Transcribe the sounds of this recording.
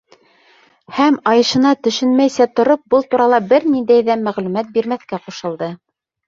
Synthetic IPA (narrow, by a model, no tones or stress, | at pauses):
hæmɑjɤ̆ʃɤ̆nɑt̪ɵ̆ʃɵnmæjsæt̪ŏɾop̚bɤlˠt̪uɾɑlˠɑbɘɾnind̪æjðæmæʁlʉmæt̪̚biɾmæθkæquʃɤ̆lˠd̪ɤ